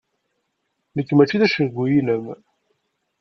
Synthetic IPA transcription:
nəkːmæt͡ʃːiðæʃəɡʷːujiləm

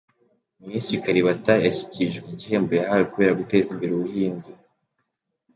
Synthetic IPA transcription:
misiikaɾiβatajaçi̥ciʒɡiɟiɦe̞ːmbojaɦawekuβe̞ːɾaɡute̞ːzimbeɾoβuhiːnzi

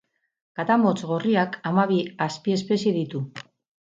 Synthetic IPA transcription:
kat̪amo̞t͡sɣo̞riakamaβiaspie̞spe̞sije̞ðit̪u

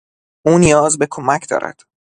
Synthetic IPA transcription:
uːnijɒːzbe̞kʰomæcʰd̪ɒ̰ːɾʔæ̰d̪̥

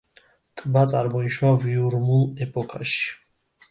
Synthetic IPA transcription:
t̪ʼbat̪sʼaɾmɔiʃwaviuɾmulˠɛpʼɔkʰaʃi̥

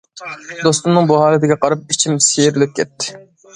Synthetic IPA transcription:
d̪ost̪umnɨŋbuɦɑːlˠɛt̪ɪɡʲɛqɑɾɑp̚it͡ʃʰimsejɾɪlɪp̚kʲʰɛt̪ːɪ̥

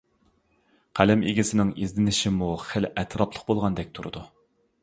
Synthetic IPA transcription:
qʰælɪmḭɡʲisɪnɪŋizd̪ɪnɪʃimuχɪlɛt̪ʰɾɑplˠəqbolˠʁɑnd̪ɛk̚ʲt̪ʰuɾɨ̰d̪u

